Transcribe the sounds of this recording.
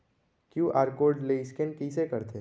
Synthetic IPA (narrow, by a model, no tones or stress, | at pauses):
kjuːʔaːɾkoːɾɖleːɪskenkisekɐɾt̪ʰe